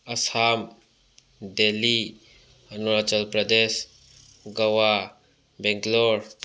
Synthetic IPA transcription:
ɐsam | deli | ənuɾat͡ʃəlpɾəd̪es | ɡəwa | bɛŋɡloɾ

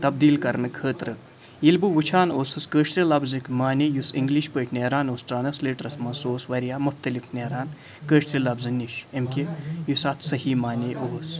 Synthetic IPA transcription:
t̪ɐbd̪iːlkɐɾnɨkʰəːt̪ɾɨ | jilbuʋut͡ʃʰaːnoːsɨskəːʃt̪ɾilɐbzɨkmaːnʲejusiŋɡliʃpəːʈʲneːɾaːnoːsʈɾaːnɐsleːʈɾɐsmɐsoːsʋɐɾjaːmʊxt̪ɐlifneːɾaːn | kəːʃt̪ɾilɐbzɨniʃemkʲejusaːt̪ʰsɐhimaːneʔoːs

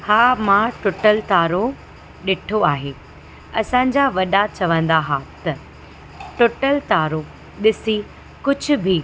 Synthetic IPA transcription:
haːmãʈʊʈəlt̪aːɾo | ɗɪʈʰoaːɦeː | ɐsãɲ̆d͡ʑaʋɐɗat͡ɕɐʋə̃nd̪aɦat̪ɐ | ʈʊʈəlt̪aːɾo | ɗɪsi | kʊd͡ʑʱʊ̆bʱi

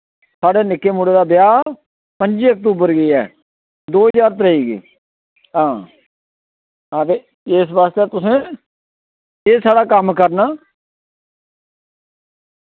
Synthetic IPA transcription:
saːɽeːnɪkːeːmuːɽeːd̪aːbɪjaː | pəɲd͡ʒiːək̚t̪uːbəɾɡiːɛ̰ː | d̪oːɦəd͡ʒaːɾt̪̬əɾəɦiːɡḭː | ɦãː | ət̪eː | ɪs̬baːst̪eːt̪ʊsẽː | eːsaːɽaːkəmkəɾnaː

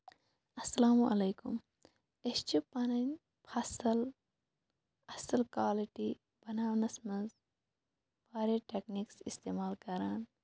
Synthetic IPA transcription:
ɐsːɐlaːmuʔɐleːkṵm | est͡ʃipɐnɐnʲ | pʰɐsl | ɐsɐlkwaːliʈi | b̥ɐnaːwnɐsmɐz | paːɾeʈekniksist̪eːmaːlkɐɾaːn

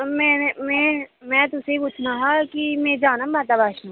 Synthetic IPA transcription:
mɛ̃ːnmɛ̃mɛ̃ːt̪ʊseipuːt͡ʃʰnaɦakimɛ̃ːd͡ʒaːnãbaːt̪abaːʃã

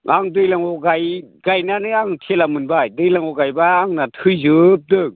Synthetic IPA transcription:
ʔaŋdɯjlaŋɔɡajɡajnanɯaŋtʰelamɯnbajdɯjlaŋɔɡajbaːŋnatʰɯjzɯp̚dɯŋ

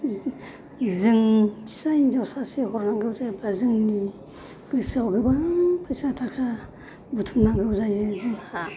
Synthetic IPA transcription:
zɯŋpʰi̥sajinzawsasehɔɾnaŋɡɯwzajbazɯŋni | b̥ɯsawɡɯbapʰɯsatʰakʰa | butʰumnaŋɡɯwzajɯzɯŋha

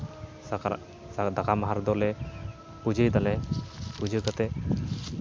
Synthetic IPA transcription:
ad̪akamaɦaɾd̪ɔlɛ | pud͡ʒəjd̪alɛpud͡ʒəkat̪ɛ

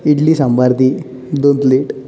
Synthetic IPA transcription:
iʈliːsãmbaɾt̪i | d̪ont̪leʈ

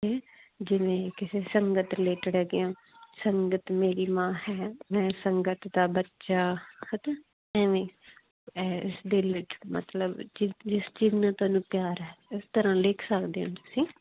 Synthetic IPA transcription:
eː | d͡ʒɪʋẽːkɪseːsəŋɡət̪leːʈɽɛːɡɪjãː | səŋɡət̪meːɾiːmãːhɛːmɛ̃ːsəŋɡət̪d̪aːbətːʃaːxət̪eː | ɛ̃ːʋẽː | ɛːɪsd̪eːlɪt͡ʃmə̰t̪ləbd͡ʒid͡ʒɪsd͡ʒiːznãːt̪ʊaːnũːpjaːɾɦɛːɪst̪əɾãːlɪːkʰsəkd̪eãːt̪ʊsĩː

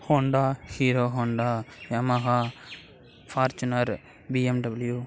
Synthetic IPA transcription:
hoɳɖahiːɾoːɦoːɳɖajɐmɐɣa | faːɾt͡ʃunɐɾ | biemɖɐbilju

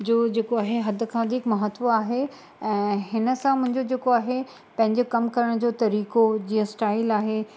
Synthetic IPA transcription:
d͡ʑoːd͡ʑeːkoaːɦeɦɐd̪ʱkʰãʋɐd̪ʱikmɐɦət̪ʋoaːɦe | ɛ̃ːɦɪnə̆sãmʊ̃ɦɪ̃ɲd͡ʑod͡ʑeːkoaːɦe | pɐ̃ɦɪ̃ɲd͡ʑokɐmkɐɾəɽ̃d͡ʑoːt̪ɐɾiːkod͡ʑiːə̃sʈaːɪlaːɦe

